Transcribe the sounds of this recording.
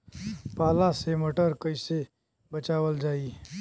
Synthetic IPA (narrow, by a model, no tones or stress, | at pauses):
paːlaseməʈəɾkəise | bət͡ʃaːʋəld͡ʒaːi